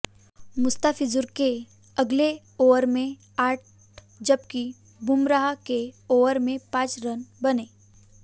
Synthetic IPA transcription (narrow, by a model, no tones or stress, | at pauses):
mʊst̪aːfɪzʊɾke | ɐɡle | oːəɾmẽ | aːʈ | d͡ʒɐbki | bʊmɾaɦakeoːʋəɾmẽpãːt͡ʃɾɐnbɐneː